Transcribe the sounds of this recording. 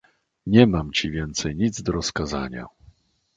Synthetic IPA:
ɲɛmamt͡ɕivʲjɛnt̪sɛjɲid̪zd̪ɔɾɔskaza̰ɲa̰

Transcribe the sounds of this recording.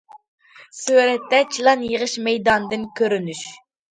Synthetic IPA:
søɾɛt̪ːɛt͡ʃʰilˠɑnjəʁəʃmɛjd̪ɑnd̪ɨnkʲʰøɾynyʃ

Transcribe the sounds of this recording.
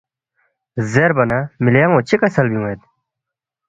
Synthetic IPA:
zeɾbɐnamiljaŋõːt͡ɕʰikɐsɐlbiũet̪̚

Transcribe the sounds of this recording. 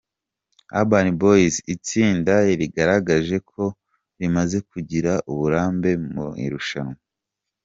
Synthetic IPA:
a̰baniboisit͡siːndaiɾiɡaɾaɡaʒe̞kʰo̞ | ɾimaze̞kuɟiɾaʔuβuɾaːmbe̞mṵḭɾuʃano

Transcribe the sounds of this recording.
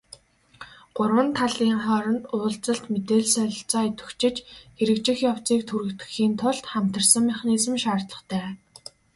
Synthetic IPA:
ɢ̥ʊrwə̆nt̪ʰaɮiːŋχɔːɾɞ̆nt̪ʊːɬt͡sə̆ɬt̪met̪eːɮsœɮɞ̆ɬt͡sɔːit̪ɵ̥̆xt͡ɕɪ̆t͡ɕxeɾɘ̆kt͡ɕɪ̆xjaw̥t͡siːk̚t̪ʰuɾɘ̆kt̪ɡɘ̥̆xiːnt̪ʰʊɮt̪χam̥t̪ə̆rsə̆ŋmæχniːsɘ̆mʃaːrt̪ɮə̆χt̪ʰæː

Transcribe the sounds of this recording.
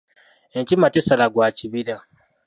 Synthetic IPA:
et͡ʃimatesalaɡwaːt͡ʃiβiɾa

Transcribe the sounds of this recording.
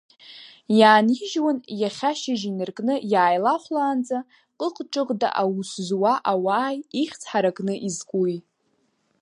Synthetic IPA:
jaːniʒwanjaχʲaʃaʒinɨrkʼnɨjaːjlaχʷlaːnd͡za | qʼəqʼʈ͡ʂʼɨʁda̰ʔawuszwaʔawaːjiχʲt͡sʰħaɾakʼnɨʔizkʷʼuj

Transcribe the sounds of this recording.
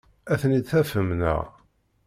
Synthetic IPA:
æθənid̪θæfəmnə̰ʁ

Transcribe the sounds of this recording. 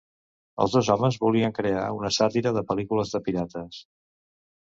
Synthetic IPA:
ə̰lˠzðozɔməzβuliəŋkɾea̰unəsat̪iɾəðəpəlikuləzðəpiɾat̪əs

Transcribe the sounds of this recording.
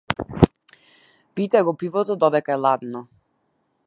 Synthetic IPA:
pit̪ɛɡopivot̪od̪ɔd̪ɛkɛlad̪nɔ

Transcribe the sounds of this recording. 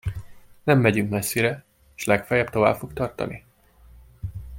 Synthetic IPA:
nɛmːɛɟyŋkmɛsːiɾɛ | ʃlɛkfɛjɛbt̪o̞va̰ːbfo̞k̚t̪ɒrt̪ɒ̰nʔi

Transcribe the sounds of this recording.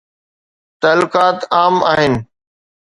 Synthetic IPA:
t̪aːlʊkaːt̪aːmaːɦɪnɪ̆

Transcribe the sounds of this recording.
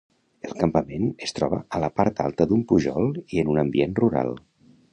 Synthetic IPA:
elˠkəmpəmenəst̪ɾɔβəələpaɾt̪a̰lˠt̪əðumpuʒɔlˠiənunəmbienruɾa̰lˠ

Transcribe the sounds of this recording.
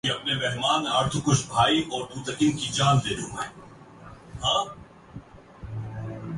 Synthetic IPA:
iɐpnemɛɦmaːnaɾt̪ʰukʊt͡ʃʰbʱaːiʔɔːɾt̪uːt̪ɐkɪnkid͡ʒaːnd̪eːɾũːmɛ̃ː | ɦãː

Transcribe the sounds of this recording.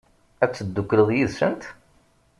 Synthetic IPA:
æt͡sːəd̪ːukːləðˤjiðsə̰nt̪

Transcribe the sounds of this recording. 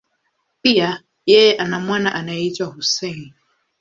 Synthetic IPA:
pia | jɛjɛʔanamwanaʔanajɛitwahusɛn

